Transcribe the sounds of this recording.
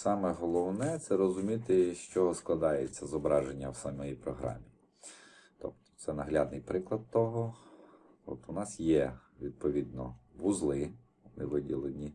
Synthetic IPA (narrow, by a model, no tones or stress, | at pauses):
sɑmɛɦɔlˠɔwnɛt̪sɛɾɔzʊmʲit̪ɪʃt͡ʃɔsklˠɐd̪ɑjet͡sʲːɐzɔbɾɑʒenʲːɐwsamɔjijpɾɔɦɾɑ̰mʲi | t̪ɔ̰pt̪ɔ̥t̪sɛnɐɦlʲɑd̪nɪjpɾɪklˠɐd̪̚t̪ɔɦɔ | ɔ̰t̪ʊnɑsjɛʋʲid̪̚pɔʋʲid̪nɔ̰ʋʊzlˠɪ | ɔnɪʋɪdʲilˠenʲi